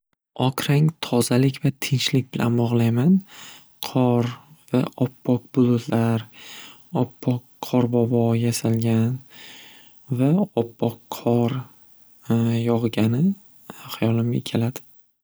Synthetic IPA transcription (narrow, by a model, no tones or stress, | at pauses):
ɒqʰɾaŋt̪ʰɒzalɪkʲvat̪ʰɪnt͡ʃlɪk̚ʲbɪlʔa̰nbɒʁlˠajman | qʰɒɾvaʔɒpʰːɒq̚bʊlˠʊt̪laɾ | ɒpʰːɒk | qʰɒɾbɒbɒjasalɡʲan | vaɒpʰːɒqʰɒɾ | jɒʁɡʲanɪ | χajɒlɪmɡʲakʲʰe̞lad̪̥ɪ